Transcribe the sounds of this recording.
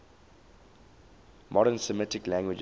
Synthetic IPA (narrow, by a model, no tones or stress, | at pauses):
mʔɔɾənsəmɪtɪklæ̃ŋɡwɪd͡ʒ